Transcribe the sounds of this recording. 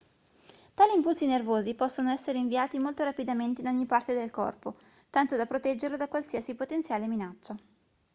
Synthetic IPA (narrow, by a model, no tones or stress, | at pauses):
t̪aːliːmpult̪sinervoːzipɔsːonoɛsːeɾeiɱviaːt̪imolt̪oɾapid̪ament̪einɔɲːipart̪ed̪elkɔ̰rpo | t̪ant̪od̪apɾot̪ɛd͡ʒːerlod̪akwalsiasipot̪ent̪sjaːleminat͡ʃːa